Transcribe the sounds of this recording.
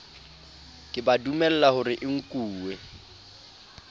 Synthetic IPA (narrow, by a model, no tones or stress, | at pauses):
kʼɪbadumɛl̩lahʊɾɪʔɪŋ̩kʼuːwɛ